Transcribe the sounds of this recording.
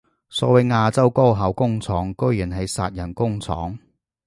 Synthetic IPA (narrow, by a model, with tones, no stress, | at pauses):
sɔ̰ː˧wɐ˨˥jŋaː˧t͡sɐ˥wko˥wɦɐ˨˥wkʊ˥ŋt͡sʰɔː˨˥ŋkɵ˥ɥji˨˩nɦɐ˨˧jsa̰ː˧t̚jɐ˨˩nkʊ˥ŋt͡sʰɔ̰ː˨˥ŋ